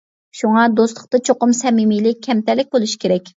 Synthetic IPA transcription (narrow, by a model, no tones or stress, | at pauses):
ʃuŋɑd̪oslˠə̥qt̪ɑt͡ʃʰoqʊmsɛmimilɪkʲʰːɛmt̪ɛlɪk̚ʲbolˠuʃi̥kʲʰeɾɛkʲ